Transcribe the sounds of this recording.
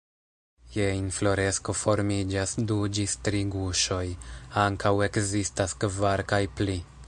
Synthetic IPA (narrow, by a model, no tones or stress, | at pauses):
jeinflo̞ɾe̞sko̞fo̞ɾmid͡ʒasdudistɾiɡuʃo̞jaŋkawe̞kzistaskvaɾkajpli